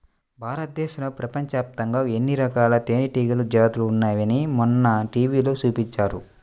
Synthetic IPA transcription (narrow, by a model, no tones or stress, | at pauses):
bʱaːɾɐt̪̚d̪eːʃulɐpɾɐpɐɲt͡ʃaːp̚t̪ɐŋɡaːenːiɾɐkaːlɐt̪eːniʈiːɡɐlud͡ʒaːt̪uluːnːaːjɐnimunːɐʈiːʋiːloːt͡ʃuːpiɲt͡ʃːaːɾu